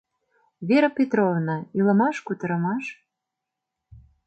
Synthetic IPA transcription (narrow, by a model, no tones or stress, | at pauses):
βeɾəpʲet̪ɾovnɑilə̆mɑʃkut̪ə̆ɾɤ̆mɑʃ